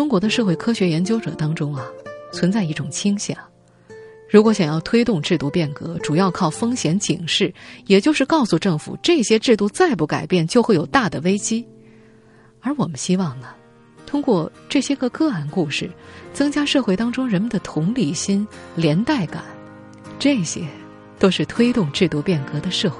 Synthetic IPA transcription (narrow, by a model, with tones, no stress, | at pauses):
ʈ͡ʂʊ˥ŋkwɔ˧˥d̪ə˧ʂɤ˥˧xwe˥˩ɪkʰɤ˥ɕɥɛ˧˥jɛ˧˥nt͡ɕjo˥ʊʈ͡ʂɤ̰˨˩t̪ɑ˥ŋʈ͡ʂʊ˥ŋɐ˨t͡sʰwə˧˥nt͡sa˥˧ɪi˥˩ʈ͡ʂʊ˨˩ŋt͡ɕʰi˥ŋɕjɑ̰˨˩˦ŋ | ɻu˧˥kwɔ˧˥ɕjɑ˨˩ŋjɑ˥˩ʊt̪ʰwe˥ɪt̪ʊ˥˧ŋʈ͡ʂɻ̩˥˧t̪u˥˧pjɛ˥˩nkɤ˧˥ʈ͡ʂu˨˩jɑ˥˧ʊkʰɑ˥˩ʊfɤ˥ŋɕjɛ˧˥nt͡ɕʰi˨˩ŋʂɻ̩˥˩jɛ˨˩t͡ɕjo˥˧ʂɻ̩˥˧kɑ˥˧ʊsu˧ʈ͡ʂɤ˥˩ŋfṵ˨˩ʈ͡ʂɤ˥˩ɕjɛ˥ʈ͡ʂɻ̩˥˧t̪u˥˧t͡sa˥˧ɪp̬u˥˩ka˨˩ɪpjɛ˥˩nt͡ɕjo˥˧ʊxwe˥˩ɪjo˨˩ʊt̪a˥˩d̪ə˩we˥ɪt͡ɕi˥ | ə˞˧˥wɔ˨˩mə˦nɕi˥wɑ˥˩ŋlə˩ | t̪ʰʊ˥ŋkwɔ˥˧ʈ͡ʂɤ˥˩ɕjɛ˥ɡə˧kɤ˥˩a˥˧nku˥˧ʂɻ̩˥˩t͡sɤ˥ŋt͡ɕja˥ʂɤ˥˧xwe˥˧ɪt̪ɑ˥ŋʈ͡ʂʊ˥ŋɻə˧˥nmə˧nd̪ə˨t̪ʰʊ˧˥ŋli˨˩ɕi˥nljɛ˧˥nt̪a˥˩ɪka̰˨˩˦n | ʈ͡ʂɤ˥˩ɕjɛ̰˥ | t̪o˥ʊʂɻ̩˥˩t̪ʰwe˥ɪt̪ʊ˥˧ŋʈ͡ʂɻ̩˥˩t̪u˥˧pjɛ˥˩nkɤ˧˥d̪ə˧ʂɤ˥˧xwe˥˩